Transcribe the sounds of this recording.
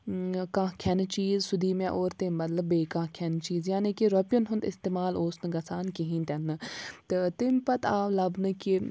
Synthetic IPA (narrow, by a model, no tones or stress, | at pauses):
kãːkʰɛnt͡ʃiːzsʊd̪ʱiːmɛ̃ʔoːɾt̪emːɐt̪lɐbːeːkãːkʰɛnt͡ʃiːzjaːnikiɾopjunɦʊnd̪ɪst̪eːmaːloːsnɨɡɐsaːnkiɦĩːnt̪ɛnːɨt̪ɨt̪ɪmpɐt̪ʰaːʋlɐbnɨki